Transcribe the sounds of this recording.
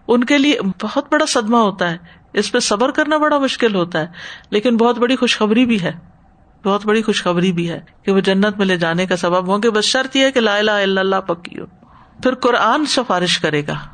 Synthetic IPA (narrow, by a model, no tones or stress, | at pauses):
ʊnkeliebɐɦʊt̪̚bɐɽasɐd̪maɦoːt̪aɦɛː | ɪspesɐbəɾkɐɾnabɐɽamʊʃkɪlɦoːt̪aɦɛːleːkɪnbɔːʊt̪bɐɽixʊʃxɐbɾibʱiɦɛː | bɔːt̪̚bɐɽixʊʃxɐbɾibʱiɦɛːkeʋod͡ʒɐnːət̪mɪ̃led͡ʒaːnekasɐbəbʋãkebɐsʃɐɾt̪jeɦɛkelaːɪlaːɪlːalːapɐkːḭo̰ː | pʰɪɾkʊɾaːnsɪfaːɾɪʃkɐɾeːɡaː